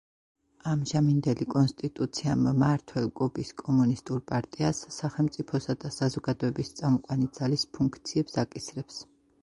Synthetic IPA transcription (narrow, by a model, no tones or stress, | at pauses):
amʒamind̪ɛlikʼɔnst̪ʼit̪ʼut̪sʰiamːaɾt̪ʰwɛlˠkʼɔbiskʼɔmunist̪ʼuɾpʼaɾt̪ʼiasːaχɛlˠmt̪sʼipʰɔsad̪asazɔɡad̪ɔɛbist̪sʼamɔqʼwanid̪zalispʰuŋkʰt̪sʰiɛpsakʼisɾɛps